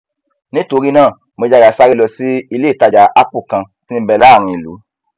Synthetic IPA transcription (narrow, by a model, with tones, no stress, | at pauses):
nĩ˦to˧ɾi˦nãː˦˨ | mo˧d͡ʒa˧ɡa˨sa˦ɾi˦lɔ˧si˦i˧le˦˨ta˧˨d͡ʒa˨˦ʔa˦pu˦˨kã˧ | si˦n̩ĩ˦bɛ˧la˦˨ɾ̃ũ˧i˨lṵ˨˦